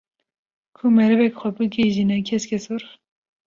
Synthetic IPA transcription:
kʰumɛɾɨvɛkxʷɛbɨɡeʒinɛkʲʰɛskʲʰɛsuɾ

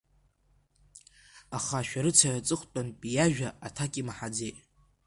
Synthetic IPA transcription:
aχaʃᶣaɾɨt͡sʰajat͡sʼɨχʷt͡pʼanpʼijaʒᶣaatʰakʲʼimaħad͡ze̞jtʼ

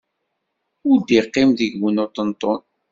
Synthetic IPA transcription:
ʊɾd̪iqːɪmðəɡwunot̪ənt̪ˤon

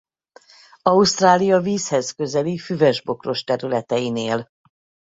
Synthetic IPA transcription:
ɒust̪raːlijɒviːshɛzkø̞zɛlifyvɛʒbo̞kro̞ʃt̪ɛɾylɛt̪ɛjineːl

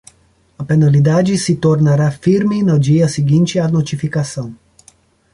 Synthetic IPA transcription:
apenalid̪ad͡ʒisit̪oɾnəɾafiɾminɐd͡ʒijasiɡint͡ʃianot͡ʃifikasɐ̃w̃

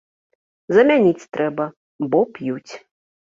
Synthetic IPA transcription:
zɐmʲanʲit͡sʲt̪ɾɛbɐ | bɔpjut͡sʲ

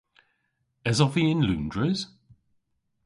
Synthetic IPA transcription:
ɛzɔviɪ̃nlʉ̰̃ːndɹəz̥

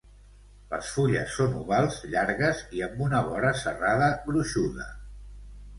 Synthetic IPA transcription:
lə̰sfuʎə̰sːonṵβalˠzʎaɾɣəziəmbunəβɔɾəsəraðəβɾuʃuðə̰

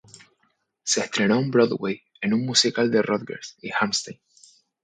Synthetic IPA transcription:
se̞ːst̪ɾe̞no̞umbɾoðwej | e̞nummusikald̪e̞rʔoðɡḛɾsihamst̪ejn

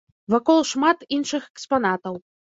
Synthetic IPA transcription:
vakɔlˠʂmat̪inʂɨxɛkspan̪at̪ɐw

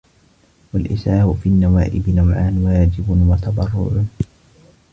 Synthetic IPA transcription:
walʔɪ̰saːʔʊfiːnːawaːʔɪbɪnawʕaːnwaːd͡ʒɪbʊwat̪ɑd̪ˤɑrˤːʊ̰ʕʊ

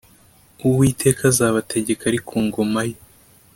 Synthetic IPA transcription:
uwiːtʰe̞ːkazaːβatʰe̞ɟe̞kaɾikʰuːŋɡo̞majo

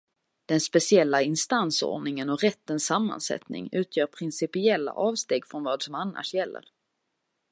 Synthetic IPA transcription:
d̪̥ɛnspɛsɪɛlːaɪnst̪anso̰ːɳɪŋənɔɾɛt̪ːənsamːa̰nsɛ̰t̪nɪ̰ŋʉ̟ːt̪ʰjœːɾpʰɾɪnsɪpɪɛlːa̰ʔɑːvst̪eːɡfɾɔnvɑːd̪sɔmanːa̰ʂjɛlːə̰ɾ

